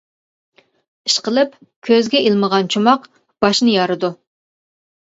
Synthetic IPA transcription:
iʃqəlˠɨp | kʲʰøzɡʲɛʔilˠməʁɑnt͡ʃʰumɑq | b̥ɑʃnɨjɑɾɨd̪u

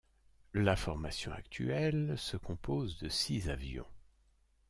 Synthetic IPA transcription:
lafɔʁmasjɔ̃a̰kt̪ʰy̰ɛlsəkɔ̃pozd̪əsizavjɔ̰̃

